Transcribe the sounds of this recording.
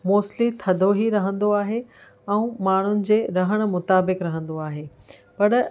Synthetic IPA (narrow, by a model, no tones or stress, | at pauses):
moːslit̪ʰɐd̪ʱoɦiɾɐɦə̃nd̪oaːɦe | ɛ̃ũmaːɳ̤ʊnɪ̆d͡ʑeːɾɐɦəɽ̃̆mʊt̪aːbɪkɾɐɦə̃nd̪oaːɦeː | pɐɾ